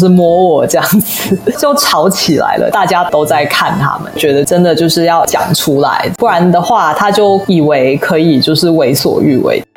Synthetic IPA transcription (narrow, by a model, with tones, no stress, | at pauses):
ʂɻ̩˥˩mwɔ˧˥wɔ˨˩ʈ͡ʂɤ˥˧jɑ˥˩ŋd͡zɹ̩˨˩t͡ɕjo˥˨˩ʊʈ͡ʂʰɑ˧˥ʊt͡ɕʰi˨˩la̰˧˥ɪlʔə̰˧˦t̪a˥˩t͡ɕja˥t̪o˥ʊt͡sa˥˧ɪkʰa˥˩nt̪ʰa̰˥mə̰˨nt͡ɕɥɛ˧˥d̪ə˧ʈ͡ʂə˥nd̪ə˨t͡ɕjo˥˧ʊʂɻ̩˥˧jɑ˥˩ʊt͡ɕjɑ̰˨˩ŋʈ͡ʂʰu˥la̰˧˥ɪpu˥˩ɻa˧˥nd̪ə˨xwa˥˩t̪ʰa˥t͡ɕjo˥˩ʊi˨˩we˧˥ɪkʰɤ˧˥i˨˩t͡ɕjo˥˧ʊʂɻ̩˥˩we˧˥ɪswɔ̰˨˩y˥˩wḛ˥˩ɪ